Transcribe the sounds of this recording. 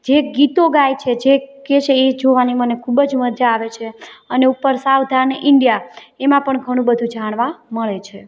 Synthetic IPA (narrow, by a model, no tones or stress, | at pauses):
d͡ʒeɡit̪oɡajt͡ʃʰed͡ʒeket͡ʃʰeed͡ʒoʋanimənekʰubd͡ʒməd͡ʒaːʋet͡ʃʰeəneupːəɾsaʋd̪ʱaneʔɪɳɖjaemãpəɳɡʱəɽ̃ũbəd̪ʱũd͡ʒaɽ̃ʋãməɭet͡ʃʰe